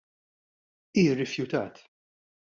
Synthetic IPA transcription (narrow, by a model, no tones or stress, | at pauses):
iːrɪfjʊt̪ɐ̰ːt̪